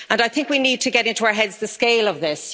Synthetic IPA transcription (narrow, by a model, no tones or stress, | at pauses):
ə̃naɪθɪ̃ŋkwinid̚tʰəɡɛɾɪ̃ntuaʊ˞ɦɛdzðəskeɪləvðɪs